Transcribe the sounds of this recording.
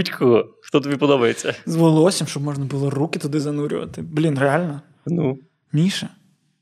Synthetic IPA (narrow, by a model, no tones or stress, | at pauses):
utʲkʰɔɣɔxt̪ɔt̪̬ɐbʲipɔd̪ɔbɐjet͡sʲːɐzʋɔlˠɔsʲimʃt͡ʃɔbmɔʒnɐbʊlˠɔrukʲɪt̪ʊd̪ɪzɐnuɾʲʊ̰ʋɐ̰t̪ɪblʲinrealʲnɐ | nu | mʲiʃɛ